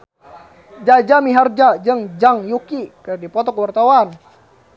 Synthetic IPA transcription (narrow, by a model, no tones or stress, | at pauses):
d͡ʒad͡ʒamiɦard͡ʒad͡ʒəŋd͡ʒaŋjukikədipɔt̪ɔkwart̪awan